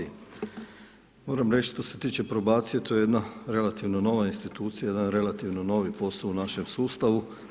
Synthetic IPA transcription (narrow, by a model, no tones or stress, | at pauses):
mo̞ːɾamɾe̞t͡ʃʃt̪o̞se̞t̪iːt͡ʃe̞pɾo̞baːt̪sije̞t̪o̞jejed̪naɾe̞lat̪iʋno̞no̞ʋainst̪it̪uːt̪sijajed̪anɾe̞lat̪iʋno̞no̞ʋipo̞sounaʃe̞msuːst̪aʋu